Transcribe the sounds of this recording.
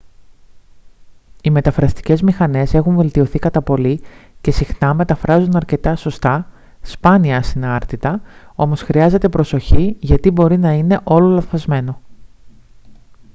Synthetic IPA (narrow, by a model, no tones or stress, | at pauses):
ime̞t̪ɐfɾɐst̪i̥ce̞zmixɐne̞se̞xuɱve̞lt̪io̞θikɐt̪ɐpo̞lice̞sixnɐme̞t̪ɐfɾɐzunɐɾce̞t̪ɐso̞st̪ɐ | spɐniɐsinɐɾt̪it̪ɐo̞mo̞sxɾiɐze̞t̪e̞pɾo̞so̞çiʝɐt̪ibo̞ɾinɐine̞ʔo̞lo̞lɐɱθɐzme̞no̞